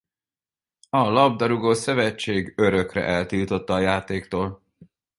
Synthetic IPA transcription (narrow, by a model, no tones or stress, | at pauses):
ɒlɒb̚d̪ɒɾuɡoːsɛvɛt͡ʃːeːɡøɾø̞krɛ̰ʔɛlt̪iːlt̪o̞t̪ːɒːjaːt̪eːkt̪oːl